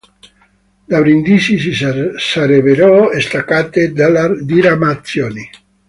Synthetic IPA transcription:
dabɾind̪isisisaɾebeɾɔest̪akat̪ed̪alad̪iɾamat̪sjoːni

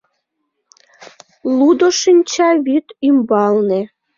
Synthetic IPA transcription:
lud̪oʃinʲt͡ɕɑβyt̪ymbɑlne

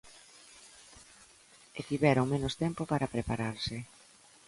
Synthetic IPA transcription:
et̪iβɛɾoŋmenost̪ɛmpopaɾapɾepaɾaɾsɪ

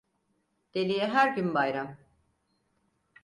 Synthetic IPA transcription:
d̪̥elʲijɛɦæɾɟynbajɾam

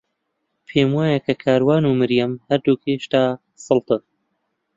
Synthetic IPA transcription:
pʰeːmwaːjɐkʰɐkʰaːɾwaːnuːmɨɾjɐmhɐɾd̪uːkʰeːʃt̪aː | sɨlt̪ɨ

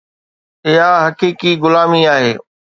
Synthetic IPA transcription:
ɪɦaɦɐkiːkiɡʊlaːmiaːɦeː

